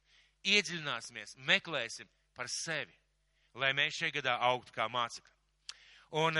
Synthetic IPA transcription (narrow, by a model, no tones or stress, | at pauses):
iɛd̪zʲilʲinaːsimiɛsmeklˠɛːsim | paɾsevi | lˠajmeːsʃajɡad̪aːʔawk̚t̪u̥kaːmaːt̪si̥klʲa | un